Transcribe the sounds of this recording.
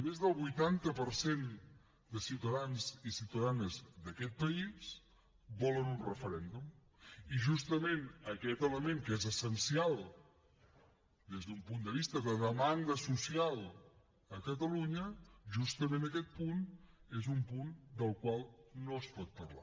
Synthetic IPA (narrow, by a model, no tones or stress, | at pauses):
mezðəlˠβujt̪ant̪əpəɾsen | d̪əsiwt̪əðanzisiwt̪əðanəzðəkɛt̪̚pəis | bɔlənunrəfəɾɛnd̪um | iʒust̪əmenəkɛt̪ələmeŋkəezəsənsialˠ | d̪ezðumpund̪əβ̞ist̪əðəðəmaŋɡ̪əsusialˠ | əkət̪̬əluɲəʒust̪əmenəkɛt̪̚punezumpund̪əlˠkwalˠnoəspɔt̪̚pərla̰